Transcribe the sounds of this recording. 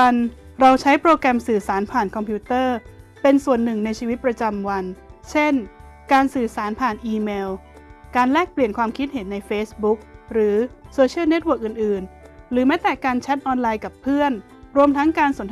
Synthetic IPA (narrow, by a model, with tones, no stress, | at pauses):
a˧n | ɾa˧wt͡ɕʰa˦˥jpɾoː˧kɾɛ˧msɯː˨˩saː˩˦npʰaː˨˩nkʰɔ˧mpʰi˦˥t̪ɤː˥˩ | pe˧nsu˨˩ənːɯ˨˩ŋna˧jt͡ɕʰiː˧wi˦t̪̚p̚ɾa˧t͡ɕa˧mwa˧nt͡ɕʰe˥˩n | kaː˧nsɯː˨˩saː˩˦npʰaː˨˩nʔiː˧meː˧w | kaː˧nlɛː˥˩k̚pli˨˩ənkʰwaː˧mkʰi˦˥t̪̚ɦe˨˩˦nːa˧jfeː˦˥sbu˦˥k̚ɾɯː˩˦soː˧t͡ɕʰi˥˩˨ne˦˥t̪̚wɤː˨˩k̚ʔɯː˨˩nʔɯː˨˩nɾɯː˩˦mɛː˦˥t̪ɛː˨˩kaː˧nt͡ɕʰɛ˦˥t̪̚ʔɔː˧nlaː˧jka˨˩pʰːɯ˥˩ən | ɾu˧əmt̪ʰa˦˥ŋkaː˧nsu˨˩˦ən